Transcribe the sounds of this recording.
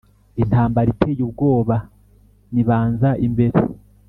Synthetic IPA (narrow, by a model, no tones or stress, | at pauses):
inthaːmbaɾitʰeːjubɡo̞ːβa | niβaːnzaʔimbe̞ɾḛ